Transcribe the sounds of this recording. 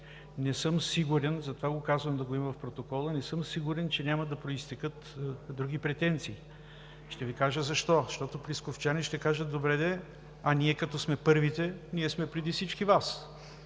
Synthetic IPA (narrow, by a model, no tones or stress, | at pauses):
nɛsɤmsiɡuɾɛnzɐt̪ovaɡokazvɐmd̪ɐɡoimvɐfpɾot̪okɔlˠənɛsɤmsiɡʊɾɛnt͡ʃɛnʲamɐd̪ɐpɾoist̪ɛkɤt̪d̪ɾuɡ̟ʲipɾɛt̪ɛnt̪siː | ʃt̪ɛvikaʒəzɐʃt̪ɔʃt̪ɔt̪opɾiskoft͡ʃanɛʃt̪ɛkaʒət̪̚d̪obɾɛd̪ɛ | ɐniɛkɐt̪ɔsmɛpɤɾvit̪ɛniɛsmɛpɾɛd̪ifsit͡ʃkivas